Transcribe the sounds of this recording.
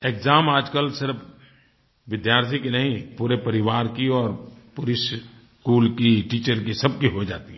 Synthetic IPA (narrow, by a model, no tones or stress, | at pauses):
eːkzaːmaːd͡ʒkəlsɪɾf | ʋɪd̪jaːɾt̪ʰikinɐɦĩpuːɾepɐɾɪʋaːɾkiɔːɾpʊɾis | kuːlkiʈiːt͡ʃəɾkisɐb̚kiɦoid͡ʒa̰ːt̪iɦɛ